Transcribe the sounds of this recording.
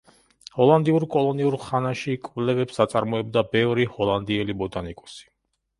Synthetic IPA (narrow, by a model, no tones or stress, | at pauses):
hɔlˠand̪iuɾkʼɔlˠɔniuɾχanaʃikʼvlɛvɛpsat̪sʼaɾmɔɛb̚d̪abɛvɾihɔlˠand̪iɛlibɔd̪anikʼɔ̥si̥